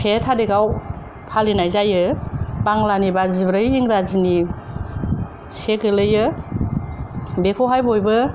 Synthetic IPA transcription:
sʰetʰadeɡaw | pʰalinajzajɯbaŋlanibazibɾɯjiŋɾazini | seɡɯlɯjɯ | bekʰoɦajbɔjbɯ

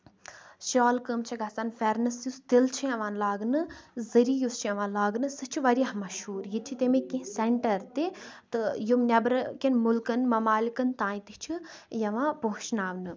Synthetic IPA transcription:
ʃaːlkəmt͡ʃʰiɡɐsanfʲɛɾnɨsjust̪ilt͡ʃʰijɐʋaːnlaːɡnɨzɨɾijust͡ʃʰjɐʋãːnlaːɡnɨsɨt͡ʃʰiʋɐɾiɦmɐʃɦuːɾjit̪̚t͡ʃʰit̪emikĩsɛɳʈɐɾt̪it̪ɨjumnʲɐbɾɨkʲinmulkɨnmɐmaːlikɨnt̪ãːjĩt̪it͡ʃʰijɐʋãːpoɦt͡ʃnaːʋnɨ

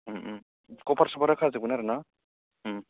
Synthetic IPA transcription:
kɔpʰaɾsabaɾakʰazɯbunaɾɯna

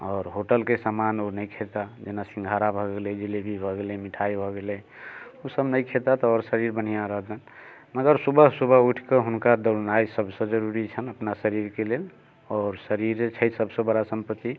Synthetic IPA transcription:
ɔːɾɦoʈəlkesamanonəjkʰet̪ad͡ʒenasĩŋɡʱaɾabʱɔɡeled͡ʒelebʱibʱɔɡelemiʈʰajbʱɔɡelɛ | usəbnəjkʰet̪at̪ɔɔɾsəɾiɾbən̤ijãɾəɦd̪ən | məɡəɾsubəɦsubʱəuʈʰkəɦunkad̪əɾnajsəbsə̃d͡ʒəɾuɾit͡ʃʰənəpnasəɾiɾkelel | ɔːɾsəɾiɾt͡ʃʰəjt̪səbʱsə̃bəɽasəmpət̪ːi

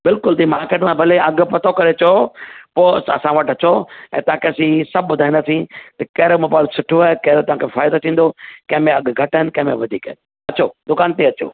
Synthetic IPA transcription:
bɪlkʊlt̪imaːɾkeːʈmãbʱɐleɐɡpɐt̪ʰokɐɾet͡ɕopoːɐsãʋɐʈɐt͡ɕoɛ̰̃ːt̪ɐʋãkʰeɐsĩsɐb̚ʱːbʊd̪ʱaːɪind̪asĩt̪ɐkɐɦɾemoːbaːɪlsʊʈʰoaekɐɦɾet̪ɐʋ̤ãːkʰefaːɪd̪ot̪ʰĩːn̆d̪okɐ̃ɦmẽɐɡɡʱɐʈəɦɪnkɐ̃ɦɪ̃mẽʋɐd̪ʱḭːkəɦɪn | ɐt͡ɕod̪ʊkaːnt̪eɐt͡ɕo̰ː

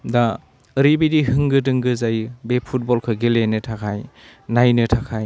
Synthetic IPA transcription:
daː | ɾibidiɦɯŋɡɯdɯŋɡɯzajbepʰut̚bɔlkʰɯɡelenɯtʰakʰaj | najnɯtʰakʰaj

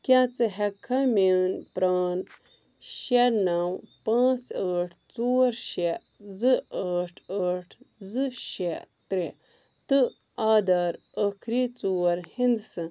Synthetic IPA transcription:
kʲat͡sɨɦɛkʰːamenpɾaːn | ʃeɾnɐwpãːt͡səːʈʰt͡soːɾʃe | zɨəːʈʰəʈʰzɨʃet̪ɾe | t̪ɨ | aːd̪ɐɾ | əkʰɾiːt͡suːɾhind̪sɨ

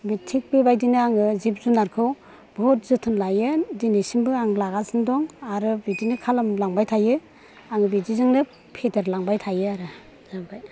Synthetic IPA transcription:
bitʰik̚bibajdinɯaŋɯzip̚zunaɾkʰɯw | bʱɔt̚zɯtʰɯnlajɯdinisimbɯaŋlaɡasɯndɔŋaɾɯbidinikʰalamlaŋbajtʰajɯ | aŋɯbidizɯŋnɯ | pʰedeɾlaŋbajtʰajɯaɾɯ | zabaj

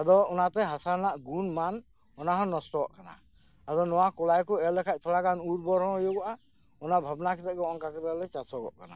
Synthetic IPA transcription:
ad̪ɔɔnat̪ɛɦasaɾnaʔɡunman | ɔnaɦɔ̃nɔst̪ɔɔʔkana̰ | ad̪ɔnɔwakɔlajkɔɛlɛkʰac̚ˀt̪alakanuɾbɔɾɦɔ̃ɔjɔɡɔʔa | ɔnabʱabnakit̪ɛʔɡɛɔŋkakɾalɛt͡ʃasɔɡɔ̰ʔkana

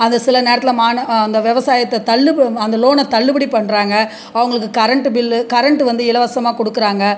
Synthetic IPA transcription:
ɐnd̪ɐsɪlɐneːɾɐt̪ːɪlɐmaːnɐnd̪ɐʋɛʋɐsaːjɐt̪ːɐt̪ɐlːɯɐnd̪ɐloːnɐt̪ɐɭːɯbɐɽipːɐɳːɾaːŋɡɐ | ɐʋɐŋɡɐɭɯkːɯkɐɾɐɳʈɯbɪlkɐɾɐɳʈɯʋɐnd̪ɯɪlɐʋɐsɐmaːkɔɽɯkːɯɾaːŋɡɐ

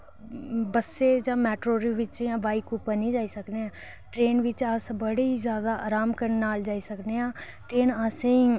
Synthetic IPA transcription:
bəsːeːd͡ʒãːmɛːʈɾoːɾeʋɪt͡ʃjãːbaːiːkupənĩːd͡ʒaːiːsəkneɛ̃ː | ʈɾeːnʋɪt͡ʃaːsbəɽeːizjaːd̪aːʔaːɾaːmkəɾnnaːld͡ʒaːiːsəkneãː | ʈɾeːnasẽĩ

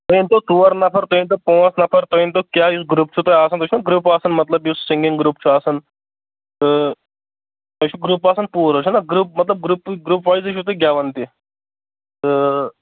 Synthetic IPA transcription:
t̪oint̪ot̪uːɐɾnɐpʰɐɾt̪oint̪opõːsnɐpʰɐɾt̪oint̪okjaːjusɡɾuːpt͡ʃʰut̪ojaːsɐnt̪ot͡ʃʰunaɡɾuːpaːsɐnmɐt̪lɐbjussĩŋɡiŋɡɾuːpt͡ʃʰuaːsɐn | t̪ɨ | ɐt͡ʃʰuɡɾupaːsɐnpuːɾot͡ʃʰunaɡɾuːp̚mɐt̪lɐb̚ɡɾuːpɡɾuːpʋajzit͡ʃʰut̪oɡʲjaːʋɐnt̪i | t̪ɨ

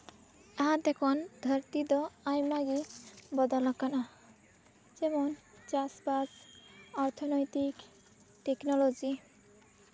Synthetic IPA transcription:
ɛɦad̪ɛkʰɔnd̪ʱəɾt̪id̪ɔajmaɡibɔd̪alɔkana | d͡ʒɛmon | t͡ɕasbasɔɾt̪ʰɔnojt̪ik | ʈeknɔlod͡ʑi

